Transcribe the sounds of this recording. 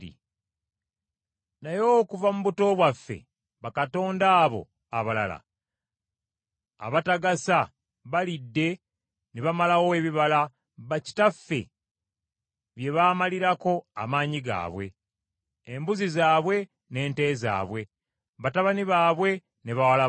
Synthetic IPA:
ḭ | najo̞kuvamuβuto̞βwafːḛ | βakato̞ːndaːβo̞̰ | a̰βala̰la̰ | a̰βataɡasa | βalidːe̞ | neβamalawoeβiβala | βaci̥tafːe̞̰ | βje̞βaːmaliɾako̞a̰maːɲiɡa̰ːβwe̞̰ː | mbuzizaːβwe̞ | ne̞ːnte̞ːza̰ːβwe̞ | βataβaniβaːβwe̞ | neβawala

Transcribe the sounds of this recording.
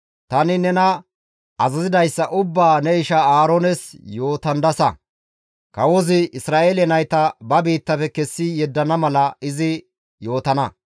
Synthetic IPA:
t̪ɐnɪnɛnɐ | ɐzɐzɪd̪ɐjsːɐʔʊbːaːnɛɪʃɐaːɾonɛsjo̞ːt̪ɐnd̪ɐsɐ̰ | kɐwɔzɪɪsɾaːʔelɛnɐjt̪ɐbɐbiːt̪ːɐfɛkɛsːɪjɛd̪ːɐnɐmɐlɐɪzɪ | jo̞ːt̪ɐnɐ

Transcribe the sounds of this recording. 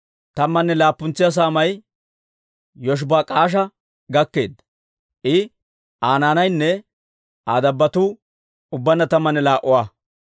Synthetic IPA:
t̪ɐmːɐnːɛlaːpːʊnt͡sːɪjɐs̬aːmɐj | jɔʃ̬baːkʼaːʃ̬ɐ | ɡɐkːe̞ːd̪ | ʔɪ | aːnaːnɐjnːɛ | aːd̪ɐbːɐt̪uː | ʊbːɐnːɐt̪ɐmːɐnːɛlaːʔʊwaː

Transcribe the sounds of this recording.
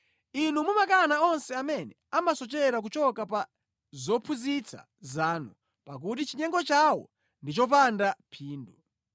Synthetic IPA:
inumumakanaɔnsɛamɛnɛamasɔt͡ʃɛɾak̬ut͡ʃɔkapa | zɔpʰuzit͡sʰa̰ | zaːnu | pak̬ut̬it͡ʃiɲɛŋɡɔt͡ʃawɔ̰ | ndit͡ʃɔp̬andapʰiːndu

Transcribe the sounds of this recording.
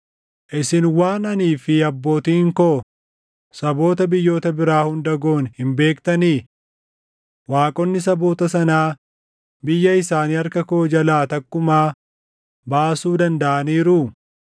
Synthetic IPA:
ʔɪsɪnwaːnɐniːfɪɐbːo̞ːt̪iːŋkoː | sɐbo̞ːt̪ɐbɪjːo̞ːt̪ɐbɪɾaːhʊnd̪ɐɡo̞ːnhɪmbe̞ːkt̪ɐniː | waːkʼɔnːɪs̬ɐbo̞ːt̪ɐs̬ɐnaː | bɪjːɐɪsaːniːɐɾkɐkoːd͡ʒɐlaːt̪ɐkːʊmaː | baːsuːd̪ɐnd̪ɐʔɐniːɾʊ

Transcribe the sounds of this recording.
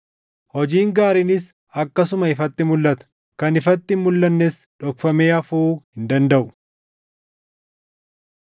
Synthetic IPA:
hɔd͡ʒiːŋɡaːɾɪnɪs | ɐkːɐsʊmɐɪfɐt̪ːɪmʊlːɐt̪ɐ̥ | kɐnɪfɐt̪ːɪmmʊlːɐnːes | ᶑɔkfɐmeːɐfuːhɪnd̪ɐnd̪ɐʔʊ̥

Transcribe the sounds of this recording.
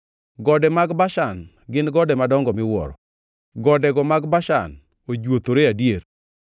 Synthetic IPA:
ɡɔdɛmaɡbaʃan | ɡɪnɡɔdɛmadɔŋɡɔmɪwɔ̰ɾɔ̰ | ɡɔdɛɡɔmaɡbaʃa̰n | od͡ʒwot̪oɾeadjeɾ

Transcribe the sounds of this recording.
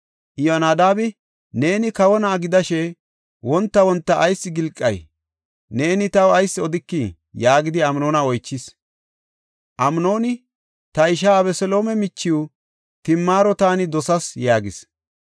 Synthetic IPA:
ʔɪjonaːd̪aːbɪ | ne̞ːnɪkɐwɔnaːɡɪd̪ɐʃɛ | wɔnt̪ːɐwɔnt̪ːɐʔːjsːɪɡɪlkʼːɐ̰j | ne̞ːnɪt̪ɐwɐjsːɪɔd̪ɪkːi | jaːɡɪd̪ɪɐmno̞ːnɐɔjt͡ʃːɪs | ʔɐmno̞ːnɪ | t̪ɐɪʃ̬aːbɛsɛlo̞ːmɛmɪt͡ʃːɪju | t̪ɪmːaːɾɔt̪aːnɪd̪ɔsɐsjaːɡɪ̰s

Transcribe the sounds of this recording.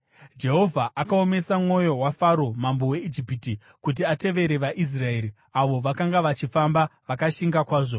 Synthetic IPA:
d͡ʒe̞ɦo̞vʱaʔakao̞me̞samŋo̞jo̞wafaɾo̞mambo̞we̞id͡ʒipiti | kut̬iate̞ʋe̞ɾe̞ʋaʔis̬rae̞ːɾi | aʋo̞ʋakaŋɡaʋat͡ʃifambaʋakaʃiŋɡakwaːʐo̞

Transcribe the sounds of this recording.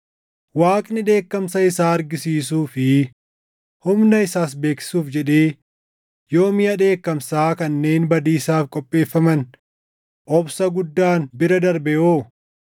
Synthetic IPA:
waːkʼnɪᶑe̞ːkːɐmsɐɪsaːɐɾɡɪsiːs̬uːfɪ | hʊmnɐɪsaːsbe̞ːksɪ̥suːfd͡ʒɛᶑeː | jo̞ːmɪjɐᶑe̞ːkːɐmsaːkɐnːe̞ːnbɐd̪iːsaːfkʼɔpʼːe̞ːfːɐmɐn | ʔɔbsɐɡʊd̪ːaːnbɪɾɐd̪ɐɾbɛjoː

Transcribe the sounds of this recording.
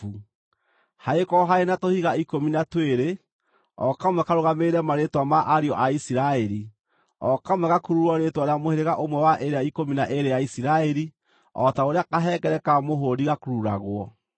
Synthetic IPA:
u | haekɔɦaenatohiɣaikominatweɾe | ɔkamwɛkaɾoɣameɾɛmaɾetwamaʔaɾiɔʔaisiɾaɛɾi | ɔkamwɛɣakuɾuɾɔɾetwanamoheɾeɣaʔomwɛwaʔeɾeaikominaʔeɾejaisiɾaɛɾi | ɔtaoɾeakaɦɛɡɛɾɛkamoɦodiɣakuɾuɾa̰ɣwɔ

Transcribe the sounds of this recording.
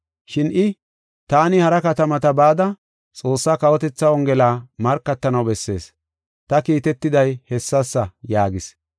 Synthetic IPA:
ʃɪnʔɪ | t̪aːnɪhɐɾɐkɐt̪ɐmɐt̪ɐbaːd̪ɐ | t͡sʼo̞ːsːaːkɐwɔt̪ɛt͡sːɐwɔŋɡɛlaːmɐɾkːɐt̪ːɐnɐwbɛsːe̞ːs | t̪ɐkiːt̪ɛt̪ːɪd̪ɐjhɛsːɐsːɐjaːɡɪs

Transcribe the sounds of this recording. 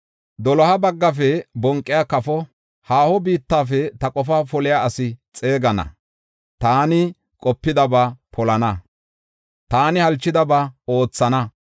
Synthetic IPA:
d̪ɔlɔhɐbɐɡːɐf̬ɛbɔŋkʼːɪjakɐfɔ | haːhɔbiːt̪ːaːfɛt̪ɐkʼɔfɐfɔlɪjaɐsɪt͡sʼe̞ːɡɐnɐ̰ | t̪aːnɪ | kʼɔpːɪd̪ɐbapʰɔlɐnɐ | t̪aːnɪhɐlt͡ʃːɪd̪ɐbaːo̞ːt͡sːɐnɐ

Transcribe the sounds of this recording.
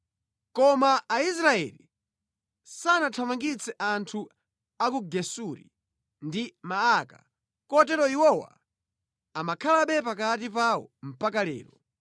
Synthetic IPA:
kɔmaːis̬ɾaɛ̰li | sanatʰamaŋɡit͡sɛʔantʰu | akuɡɛsuɾḭ | ndimaːka | kɔtɛɾɔiwɔwa̰ | amakʰalaɓɛpakat̬ipawɔ̰m̩pakalɛ̰ːɾɔ

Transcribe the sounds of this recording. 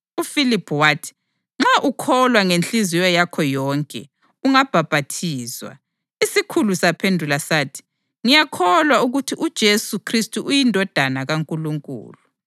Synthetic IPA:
ufilipʰwaːtʰi̥ | ŋ͡ǁaʔukʰɔlwaŋent͡ɬʼizijɔjakʰɔjɔːŋkʼɛ̰ | uŋab̥ʱab̥ʱatʰiːzwa̰ | isikʰulusapʰendʱulasaːtʰi̥ | ŋijakʰɔlwauɣutʰiʔud̥ʒ̥ʱesukʰristʼuʔujindʱɔd̥ʱanaɣaŋkʼuluŋkʼṵːlu

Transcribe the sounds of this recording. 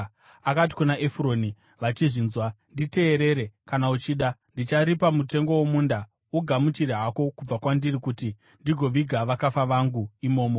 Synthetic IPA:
akat̬i̥kunaʔefro̞ːni | ʋat͡ʃiʐinzwandite̞ːɾe̞ɾe̞kanaut͡ʃiːɗandit͡ʃaɾipamute̞ŋɡo̞womuːnda | uɡʱamut͡ʃiɾeɦako̞kub͡vakwandirikuti | ndiɡʱo̞ʋiɡʱaʋakafaʋaŋɡuimo̞ːmo

